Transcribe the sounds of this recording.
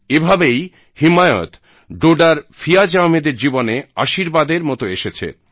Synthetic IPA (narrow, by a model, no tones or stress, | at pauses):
ebʱabej | himaeo̰t̪ | ɖoɖaɾfijad͡ʑaomed̪eɾd͡ʑibonea̰ʃiɾbad̪eɾmɔt̪oeʃet͡ɕʰḛ